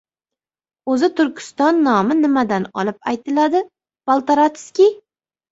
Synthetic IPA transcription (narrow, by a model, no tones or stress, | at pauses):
ɵzɪt̪ʰʊɾkʲʰɪ̥st̪ɒnːɒmɪnɪmad̪anɒlˠɪp̚ajt̪ʰɪlad̪ɪ | b̥alˠt̪aɾat̪skʲɪ